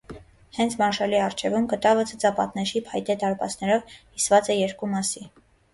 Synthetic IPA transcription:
hɛnt͡sʰmɑɾʃɑliɑrt͡ʃʰɛvumkət̪ɑvət͡sʰət͡sɑpɑt̪nɛʃipʰɑjt̪ɛt̪ɑɾpɑ̰t͡snɛɾɔvkisvɑt͡sɛjɛɾkumɑsi

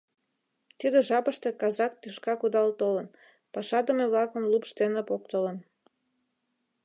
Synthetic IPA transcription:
t̪id̪ə̆ʒɑpəʃt̪ekɑzɑkt̪ːeʃkɑkud̪ɑlt̪olən | pɑʃɑd̪ə̆meβlɑkə̆mlupʃt̪enəpokt̪ələn

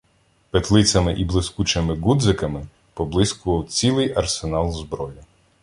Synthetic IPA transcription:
pet̪lˠɪt͡sʲɐmɪʔiblˠɪskut͡ʃemɪɡud̪zɪkɐmɪ | pɔblˠɪskʊʋɔwt͡sʲilˠɪjɐrsenɑlˠzbɾɔjʊ

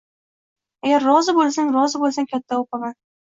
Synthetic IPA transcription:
aɡʲaɾːɒzɪbolˠsaŋɾɒzɪbolˠsaŋkʲʰat̪ʰːaopaman

